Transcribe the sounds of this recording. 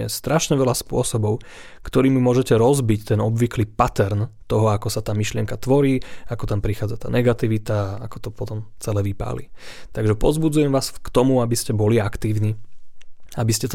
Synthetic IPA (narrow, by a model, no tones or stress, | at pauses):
ɛ̰st̪ɾaʃɲɛʋɛlaspʊɔsɔbɔʊ | kt̪ɔɾiːmimʊɔʒɛcɛɾɔzbict̪ɛnɔbʋikliːpat̪ɛɾnt̪ɔɦɔakɔsat̪aːmiʃlɪɛŋkat̪ʋɔɾiːakɔt̪ampɾixaːd͡zat̪a̰ːnɛɡat̪iʋit̪aaakɔ̥t̪ɔpɔt̪ɔmt͡sɛlɛːʋipa̰ːlḭt̪aɡʒɛpɔzbud͡zujɛmʋaːskt̪ɔmuabiscɛbɔliakt̪iːʊniː | abiscɛt̪